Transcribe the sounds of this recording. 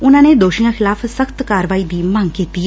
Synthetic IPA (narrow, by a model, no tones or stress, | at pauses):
ʊnãːneːd̪oːʃiːãːxʰɪlaːpʰsəkʰt̪kaːɾəʋaːiːd̪iːmãŋɡkiːt̪iː